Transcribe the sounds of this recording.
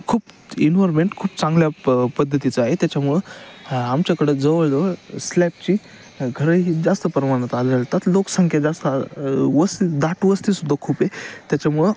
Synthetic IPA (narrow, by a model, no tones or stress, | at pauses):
kʰuːpinʋɔɾmeɳʈkʰuːpt͡sãŋɡljapəd̪ʱːət̪it͡saɦet̪jat͡ɕamuɭeamt͡ɕjakəɽed͡zəʋəɭd͡zʋəslɛp̚t͡ɕi | ɡʱəɾəɦid͡zast̪əpəɾmaɽ̃ət̪aləɭt̪at̪loksəŋkʰjad͡zast̪əʋəst̪id̪aʈʋəst̪isud̪ʱːakʰuːpet̪jat͡ɕamuɭe